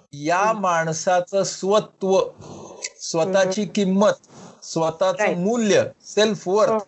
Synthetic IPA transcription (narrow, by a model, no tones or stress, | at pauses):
jamaɳ̃sat͡səsʋət̪ʋə | sʋət̪at͡ɕiːkimːət̪sʋət̪at͡səmuljəselfʋəɾt̪